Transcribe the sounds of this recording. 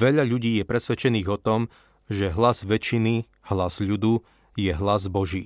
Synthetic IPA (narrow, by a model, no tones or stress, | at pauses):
ʋɛʎaʎuɟiːjɛpɾɛsʋɛt͡ʃɛniːɣɔt̪ɔm | ʒɛɦlazʋɛt͡ʃini | hlaz̥ʎud̪u | jɛɦlazbɔʒḭː